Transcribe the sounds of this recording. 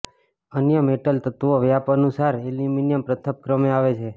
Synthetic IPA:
ənjəmeʈəlt̪ət̪ʋoʋjapənusaɾeliminijəmpɾət̪ʰəp̚kɾəmeaʋet͡ʃʰe

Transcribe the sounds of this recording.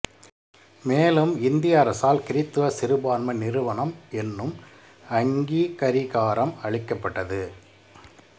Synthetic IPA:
meːlɯmɪnd̪ɪjaːɾɐsaːlkɪɾɪt̪ːɯʋɐsɪɾɯbaːnmɐnɪɾɯʋɐɳɐmɛnːɯm | ɐŋɡiːkɐɾɪɣaːɾɐmɐɭɪkːɐpːɐʈːɐðɯ

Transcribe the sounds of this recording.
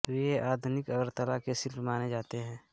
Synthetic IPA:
eʔaːd̪ʱʊnɪkɔːɾt̪əlakesɪlpmaːned͡ʒaːt̪eɦɛ̃ː

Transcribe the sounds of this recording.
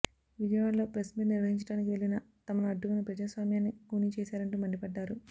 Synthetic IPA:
ʋid͡ʒɐjaːllo̞ːpɾɐsmiːʈniɾʋɐɦiɲt͡ʃɐɽaːnikiʋelinɐ | t̪ɐmɐnuɐɖːukɐnɐpɾɐd͡ʒaːsʋaːmjaːnːikuːnit͡ʃɛːsaːɾɐɳʈuːmɐɳɖipɐɖːaːɾu

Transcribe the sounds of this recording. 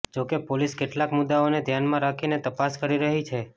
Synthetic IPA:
d͡ʒokepoliskeʈlakmʊd̪ːaoned̪ʱjanmãɾakʰinet̪əpaskəɾiɾəɦit͡ʃʰe

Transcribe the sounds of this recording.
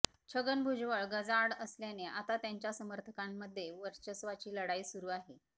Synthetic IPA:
t͡ɕʰəɡənbʱud͡ʑʋəɭɡəd͡zaɽəsljaneat̪at̪jaɲt͡ɕjasəməɾt̪ʰəkamːəd̪ʱːjeʋəɾt͡ɕəsʋat͡ɕiːləɽaiːsuɾuːaɦe

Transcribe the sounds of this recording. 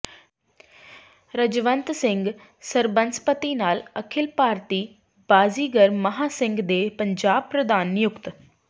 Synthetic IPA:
ɾəd͡ʒʋənt̪sɪŋɡ | səɾbənspət̪iːnaːləkʰɪlpaːɾt̪iː | b̥aːziːɡəɾməɦaːsɪ̃ŋɡd̪eːpəɲd͡ʒaːb̚pɾəd̪aːnːjʊkt̪

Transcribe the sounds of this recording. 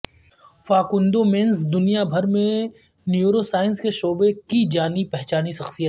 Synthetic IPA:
faːkʊ̃nd̪omensd̪ʊnijabʱɐɾmẽ | njuːɾosaːɪnskeʃoːbekid͡ʒaːnipɛɦt͡ʃaːniʃɐxsijət̪

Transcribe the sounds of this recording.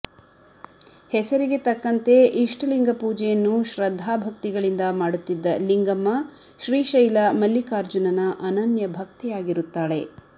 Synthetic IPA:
hɛsɐɾiɡe̞t̪ɐkːɐnt̪e̞iʂʈliŋɡɐpuːd͡ʒɛjɐnːuʃɾɐd̪ʱːaːbʱɐkt̪iɡɐɭind̪ɐmaːɽut̪ːid̪ːɐliŋɡɐmːɐ | ʃɾiːʃɐjlamɐlːikaːɾd͡ʒunɐnɐʔɐnɐnjɐbʱɐkt̪ɛjaːɡiɾut̪ːaːɭe̞

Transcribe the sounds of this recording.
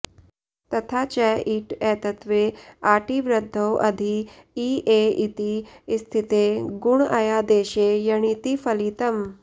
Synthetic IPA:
t̪ɐt̪ʰat͡ɕɛiʈɛːt̪ɐt̪ʋeaːʈiʋɾəd̪ʱːəwʔɐd̪ʱiː | eit̪ist̪ʰit̪eɡuɳajad̪eːʃejɐɽ̃it̪ifɐliːt̪ɐm

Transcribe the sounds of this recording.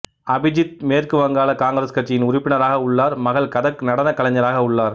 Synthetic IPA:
ɐbɪd͡ʒɪt̪̚meːrkɯʋɐŋɡaːɭɐkaːŋɡɯɾɐskɐʈ̚t͡ʃːɪjɪnʊɾɪpːɪɳɐɾaːɣɐʊɭːaːɾmɐɣɐɭkɐðɐknɐɽɐnɐkːɐɭɐɲːɐɾaːɣɐʊɭːaːɾ

